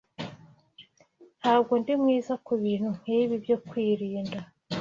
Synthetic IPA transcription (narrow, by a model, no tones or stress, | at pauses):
nhaːb̚ɡo̞ndimŋiːzakuβiːn̥hun̥hiːβibjo̞kwiːɾiːnda